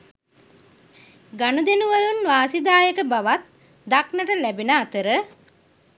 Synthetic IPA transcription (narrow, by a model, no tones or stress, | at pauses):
ɡanud̪enuʋalunʋaːsid̪aːjəkəbaʋat̪̚ | d̪aknəʈəlæbinəːt̪əɾə